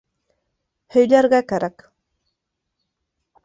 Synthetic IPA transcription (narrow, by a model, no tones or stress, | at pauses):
hɪʎɑɾɢɑkaɾɑk